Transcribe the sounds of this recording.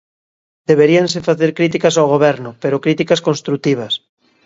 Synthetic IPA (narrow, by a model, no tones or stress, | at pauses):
d̪̥eβeɾiansefaθeɾkɾit̪̬ikasawɣoβ̞ɛɾnʊpeɾokɾit̪ikaskonst̪ɾut̪iβ̞ɐs